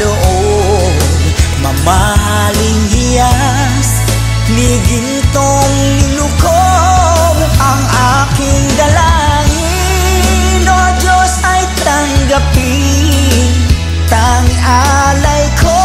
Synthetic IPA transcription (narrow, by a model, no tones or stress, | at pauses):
oʔo | ɡ | mɐbaɦa | lɪŋɡija | s | niɡint̪oŋ | lɪnuko | wʔɐŋʔa | kɪŋd̪ɐlaŋi | nod͡ʒosɐjt̪ɐŋɡɐpi | t̪ɐŋʔalɐjkʰo